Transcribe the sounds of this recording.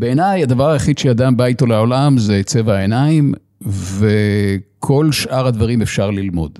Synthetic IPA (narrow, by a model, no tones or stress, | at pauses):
beːnajad̪avaʁajeχid̪ʃead̪ambajt̪olaolamzet͡se̞vaaenaim | vekʰo̞lʃʔaʁhad̪vaʁimefʃaʁlilmo̞̰d̪